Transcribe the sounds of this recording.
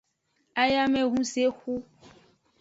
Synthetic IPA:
a˦ja˦mɛ̃˦ɣũ˦se˦xu˦

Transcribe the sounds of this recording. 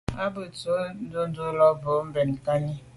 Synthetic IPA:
a˦bə˨t͡so˨˦n̩˦do˦n̩˦do˦lɔ˦bə˨˦m̩˦bɛ˨n˨ka˦ɲi˦

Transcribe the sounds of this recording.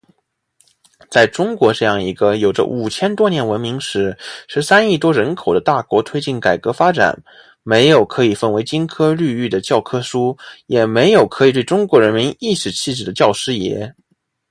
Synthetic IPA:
t͡sa˥˩ɪʈ͡ʂʊ˥ŋkwɔ˧˥ʈ͡ʂɤ˥˧jɑ˥˩ŋi˧˥ɡə˧jo˨˩ʊʈ͡ʂə̰˦ʔu˨˩t͡ɕʰjɛ˥nt̪wɔ˥njɛ˧˥nwə˧˥nmi˧˥ŋʂɻ̩˧˥ʂɻ̩˧˥sa˥ni˥˩t̪wɔ˥ɻə˧˥nkʰo˨˩d̪ə˦t̪a˥˩kwɔ˧˥t̪ʰwe˥ɪt͡ɕi˥˩nka˨˩ɪkɤ˧˥fa˥ʈ͡ʂa̰˨˩˦n | me˧˥ɪjo˨˩ʊkʰɤ˧˥i˨˩fə˥˩nwe˧˥ɪt͡ɕi˥nkʰɤ˥ly˥˧y˥˩d̪ə˩t͡ɕjɑ˥˩ʊkʰɤ˥ʂu˥jɛ˨˩me˧˥ɪjo˨˩ʊkʰɤ˧˥i˨˩t̪we˥˩ɪʈ͡ʂʊ˥ŋkwɔ˧˥ɻə˧˥nmi˧˥ni˥˩ʂɻ̩˨˩t͡ɕʰi˥˧ʈ͡ʂɻ̩˥˩d̪ə˩˦t͡ɕjɑ˥˩ʊʂɻ̩˥jɛ̰˧˥

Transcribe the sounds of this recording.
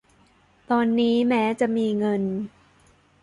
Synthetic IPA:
t̪ɔː˧nːiː˦˥mɛː˦˥t͡ɕa˨˩ʔmiː˧ŋɤ˧n

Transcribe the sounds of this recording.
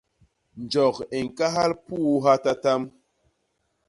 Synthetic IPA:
n̩˨d͡ʒɔ˨ke˨ŋ̩˨ka˦ɦa˦lpu˦ɦa˦ta˦ta˦m

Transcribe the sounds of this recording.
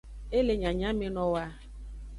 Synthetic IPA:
e˦le˨ɲa˨ɲa˦mɪ˦nɔ˦wa˦

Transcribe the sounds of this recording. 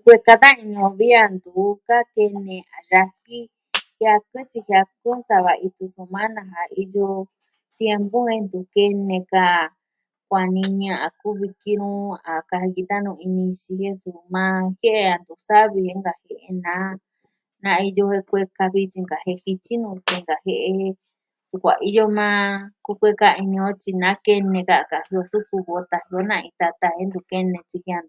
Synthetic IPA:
kʷe˧ka˧t̪ã˦ĩ˧ɲũ˧βi˦a˧nd̪u˨ka˦ke˧nẽ˧a˨ɾa˧hi˦ | hja˧kɨ˦t͡ʃi˧hja˧ku˦nsa˧βa˨ʔi˧t̪u˧su˧mã˦nã˧ɦa˨i˧jo˧ | t̪je˧mbũ˦e˧nd̪u˨ke˧nẽ˧ka˧˨ | kʷa˨nĩ˧ɲã˧ʔa˨˧ku˦βi˧ki˧ɾũ˦a˨ka˧hki˧t̪a˦nũ˧i˧nĩ˧t͡ʃi˧he˦su˨mã˧he˦ʔe˧a˧˨nd̪u˧˨sa˦βi˧he˧˦ŋɡa˧he˧ʔe˧nã˦ | nã˧˦i˧jo˧he˧kʷe˧ka˧βi˦t͡ʃi˧ŋɡa˨he˧hi˧t͡ʃi˦nũ˧t̪e˧ŋɡa˨he˧ʔe˧e˦ | su˧kʷa̰˨ʔi˦jo˦mã˦ku˦kʷe˦ka˧i˧nĩ˧õ˦t͡ʃi˧nã˨˦ke˧nẽ˧ka˧˨ka˨hi˧o˧su˦ku˧βo˧t̪a˧hi˧o˦nã˧ĩ˧t̪a˧t̪a˧he˦nd̪u˧ke˦nẽ˧t͡ʃi˧hi˧˦a˧n˧˨

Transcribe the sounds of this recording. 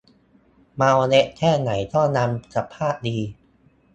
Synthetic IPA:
maː˧wne˦˥ʔ̚kʰɛː˥˩na˩˦jt̪ɔ˥˩na˧msa˨˩pʰːaː˥˩t̪̚diː˧

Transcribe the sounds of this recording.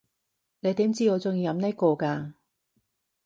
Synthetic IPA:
ne˨˧jt̪iː˨˥mt͡siː˥ŋɔː˨˧t͡sʊ˨˧ŋjiː˧jɐ˨˧mnɛ˥kɔː˧kaː˧

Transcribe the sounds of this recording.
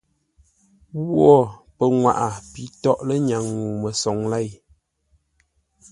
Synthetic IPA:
wwɔ˦˨pə˨ŋwa̰˨ʔa˨pi˨˦tɔ˦ʔlə˦ɲa˨ŋːu˨mə˨sɔ˨ŋla˦˨j

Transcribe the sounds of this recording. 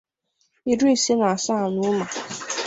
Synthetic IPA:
i˨di˦˨si˦na˨sa˦˨nu˦ma˨

